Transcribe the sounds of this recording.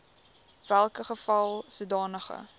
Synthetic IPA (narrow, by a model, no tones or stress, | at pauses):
vælˠkəχəfɐlˠsudɑːnəχə̰